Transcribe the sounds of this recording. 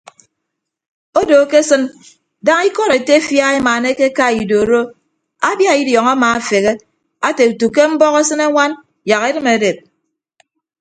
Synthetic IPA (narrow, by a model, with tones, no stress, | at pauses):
o˦do˨˦ke˦sɨ˦n | da˦ŋi˦kɔ˦ɾe˨te˦fja˦e˦ma˨ne˦ke˦ka˦i˨do˨ɾo˦ | a˦bja˦i˦djɔ˨ŋa˦maː˨a˨fe˨ɣe˦ | a˦te˨u˨tu˨ke˦m̩˦bɔ˦ɣe˦sɨ˦ne˦ŋʷa˦n | ja˨ɣe˦ɾɨ˦me˨de˨p̚